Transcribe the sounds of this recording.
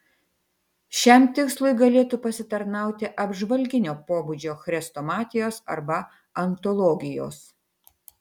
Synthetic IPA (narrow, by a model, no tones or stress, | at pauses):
ʃʲɛmt̪ʲɪkslˠʊɪɡɐlʲeːt̪uːpɐsʲɪt̪ɐɾnɑˑʊt̪ʲɪʔɐbʒʋɐlʲɡʲɪnʲoːpoːbʊd͡ʒʲoːxɾʲɛst̪oːmɑːt̪ʲɪjoːsɐ̰ɾbɐ | ɐnt̪ɔlˠɔːɡʲɪjo̰ːs